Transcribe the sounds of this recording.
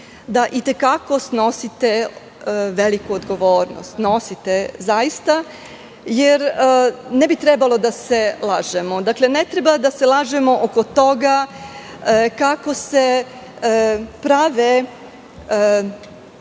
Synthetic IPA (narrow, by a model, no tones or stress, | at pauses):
d̪aʔit̪ekako̞sno̞sit̪e̞ | ʋelikuod̪ɡo̞ʋoːɾno̰st̪no̞sit̪e̞zajist̪a | jeɾ | nebit̪ɾebalˠo̞d̪ase̞lˠaːʒemod̪akle̞net̪ɾebad̪ase̞laːʒe̞mo̞ʔoko̞t̪o̞ɡa | kako̞se̞ | pɾaʋe